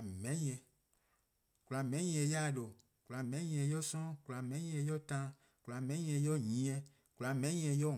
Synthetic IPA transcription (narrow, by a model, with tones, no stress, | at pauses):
mɛ˨˦ɲ˦˨ɛ˨ | kla˨mɛ̃˨˦ɲĩ˨˦ɛ˨ja˦˨ɖo˨ | kla˨mɛ̃˨˦ɲĩ˨ɛ˨jɔ˦sɔ̃˦kla˨mɛ̃˨˦ɲĩ˦ɛ˨jɔ˦t̪ã˦ | kla˨mɛ̃˦ɲĩ˦ɛ̃˨jɔ˦ɲĩ˨˦ɛ˨ | kla˨mɛ̃˦ɲĩ˦ɛ˨jɔ˦